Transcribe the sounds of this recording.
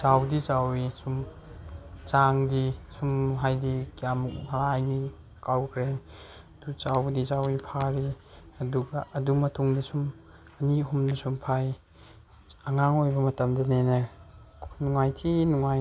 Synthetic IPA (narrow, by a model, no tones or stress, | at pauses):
sawdit͡ʃawisum | t͡ʃaŋdisumɦajdikijamʰalaːjni | kawkʰɾe | dut͡ʃawdisawipʰaɾi | ɐduɡɐɐdumɐtuŋdɐsum | ɐniɦumdɐsumpʰaj | ɐŋaŋojbɐmɐtɐmdɐnenɐ | nuŋajtʰinuŋaj